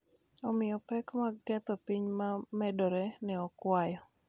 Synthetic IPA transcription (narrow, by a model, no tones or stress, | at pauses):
ɔmɪjɔpɛkmaɛt̪ɔpiɲmamɛdoɾɛnɛɔkwajɔ